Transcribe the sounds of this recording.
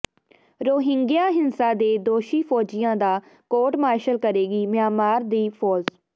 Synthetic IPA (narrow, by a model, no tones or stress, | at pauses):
ɾoːɦɪ̃ŋɡɪjaːɦɪnsaːd̪eːd̪oːʃiːpʰɔːd͡ʒɪjãːd̪aː | koːʈmaːʃəlkəɾeːɡiːmɪaːmaːɾd̪iːpʰɔːd͡ʒ